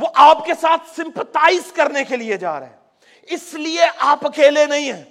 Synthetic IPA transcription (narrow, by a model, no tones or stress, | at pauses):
ʋoʔaːpkesaːt̪ʰsɪ̃mpət̪aːɪzkɐɾnekelied͡ʒa̰ːɾḛɦɛː | ɪslieʔaːpɐkeːlenɐɦĩɦɛː